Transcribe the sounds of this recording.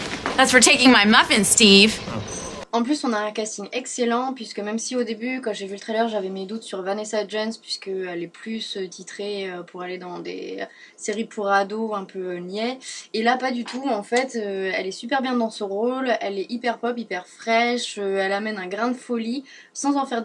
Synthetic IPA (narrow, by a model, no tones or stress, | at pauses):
ðætsfə˞tʰeɪkɪ̃ŋmaɪmʌfɪ̃nstiv̥ | ɑ̃plysɔ̃naɛ̃kast̪iɲɛkselɑ̃pɥiskəmɛmsiod̪ebykɑ̃ʒevylət̪χɛlœʁʒavɛmed̪ut̪syʁvanesad͡ʒɛnspɥiskəɛlɛplysøt̪ʰit̪χeøpʰuʁaled̪ɑ̃d̪ḛ | seʁipʰuʁad̪oɛ̃pʰønjɛelapad̪yt̪ʰuɑ̃fɛt̪øɛlɛsypɛʁbjɛ̃d̪ɑ̃sɔʁolɛlɛʔipɛʁpɔpipɛʁfχɛʃøɛlamɛnɛ̃ɡʁɛ̃d̪əfɔli | sɑ̃zɑ̃fɛʁ